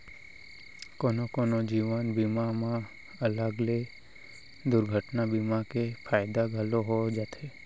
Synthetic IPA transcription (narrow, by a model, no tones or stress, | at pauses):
konokonod͡ʒiʋanbimamã | ələɡle | d̪ʊɾɡʱəʈnabimakepʰaːjd̪aɡʱəloɦod͡ʒat̪ʰe